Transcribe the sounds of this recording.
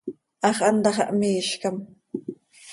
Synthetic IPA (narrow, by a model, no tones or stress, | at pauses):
ʔɑχɑnd̪ɑχɑ̰ʔmiːʃkam